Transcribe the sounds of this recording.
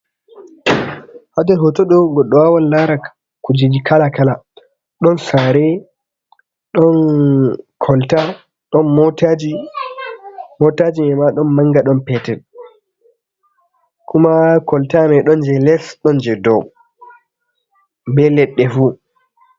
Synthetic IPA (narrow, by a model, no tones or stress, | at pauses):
hadɛɾɦɔtɔɗɔɡɔɗːɔwawanlaɾa | kud͡ʒid͡ʒikʰalakala | ɗɔnsaɾɛ | ɗɔn | kʰɔlta | ɗɔnmɔtad͡ʒi | mɔtad͡ʒimɛmaɗɔnmaŋɡaɗɔnpɛtɛn | kʰumakɔltamɛɗɔnd͡ʒɛlɛsɗɔnd͡ʒɛdɔ̰w | mbɛlɛɗːɛfu